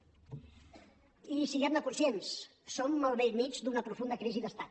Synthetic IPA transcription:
isiɛmd̪əkunsjens | somːalˠβemid͡ʒd̪unəpɾufund̪əkɾiziðəst̪at̪

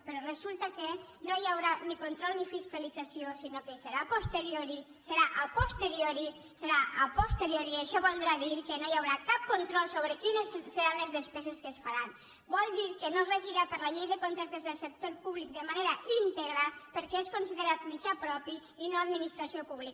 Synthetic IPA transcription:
pəɾɔrəzulˠt̪ake | nojawɾanikont̪ɾɔlˠnifiskalid͡zasiosinokeseɾapost̪eɾjoɾi | seɾaʔapost̪eɾioɾi | seɾaʔapost̪eɾjoɾieʃɔβolˠd̪ɾaðiɾkenojawɾakap̚kont̪ɾɔlˠsoβɾəkinezseɾanləzðespɛzeskəsfaɾan | bɔlˠd̪iɾkənozreʒiɾapəɾlaʎejðəkont̪ɾaɾt̪ezðəlˠsek̚t̪oɾpuβlik̚d̪əmaneɾaint̪eɣɾapəɾkɛeskonsiðəɾat̪mit͡ʃapɾɔpi | inoaðminist̪ɾasiopuβlik

